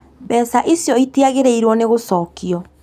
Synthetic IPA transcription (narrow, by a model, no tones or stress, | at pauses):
bɛsaʔesjɔitiaɣeɾɛiɾwɔneɣosɔːkiɔ